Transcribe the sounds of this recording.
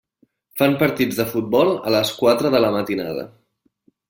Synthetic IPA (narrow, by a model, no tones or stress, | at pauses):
fampəɾt̪id͡zðəfut̪̚bɔlˠə̰ləskwat̪ɾəðələmət̪ina̰ðə̰